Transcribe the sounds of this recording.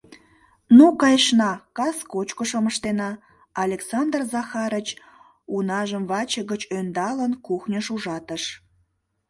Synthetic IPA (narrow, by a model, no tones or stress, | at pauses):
nukɑjʃnɑkɑskot͡ɕkoʃəməʃt̪enɑ | ɑlʲeksɑnd̪rzɑxɑɾət͡ɕ | unɑʒəmvɑt͡ɕəɣət͡ɕønd̪ɑlənkuxnʲəʃuʒɑt̪əʃ